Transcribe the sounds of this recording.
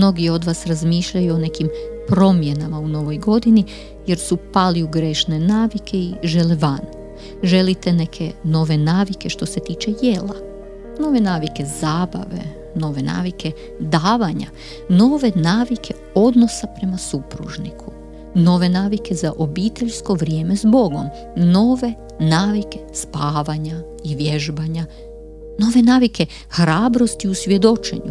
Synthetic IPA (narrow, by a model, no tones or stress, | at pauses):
mno̞ɡio̞d̪ʋaːsɾazmiːʃʎajuone̞kimpɾo̞mje̞namauno̞ʋo̞jɡo̞d̪ini | je̞ɾsupaliuɡɾeʃne̞naːʋikʰe̞iʒe̞leʋan | ʒe̞lit̪e̞ne̞kʰe̞no̞ʋe̞naːʋike̞ʃt̪o̞se̞t̪iːt͡ʃe̞jela̰ | no̞ːʋe̞naːʋike̞zaːba̰ʋe̞̰ | no̞ʋe̞na̰ːʋike̞ | d̪aːʋaɲa̰ | no̞ːʋe̞naːʋikʰe̞ | o̞d̪nosapɾe̞masupɾṵʒnikʰu | no̞ːʋe̞naːʋike̞zaʔo̞biːt̪eʎsko̞ʋɾjeːme̞zbo̞ɡo̞m | no̞ːʋe̞ | naːʋike̞̥spaːʋaɲa | iʋjeʒbaɲa | no̞ːʋe̞naːʋikʰe̞ | xɾaːbɾo̞st̪iusʋʲje̞d̪o̞t͡ʃe̞̰ɲu